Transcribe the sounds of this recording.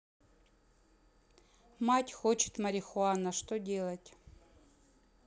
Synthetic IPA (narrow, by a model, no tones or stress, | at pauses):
matʲxot͡ɕɪ̥t̪mɐɾʲɪxʊanəʂt̪odʲe̞lˠətʲ